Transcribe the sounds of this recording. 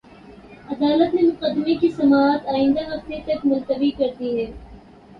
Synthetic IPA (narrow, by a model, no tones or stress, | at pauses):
ɐd̪aːlət̪nemʊqəd̪ːɪmekisɐmaːɦt̪aːɪ̃nd̪aɦɐf̚t̪et̪ɐkmʊlt̪əbikɐɾt̪iɦɛː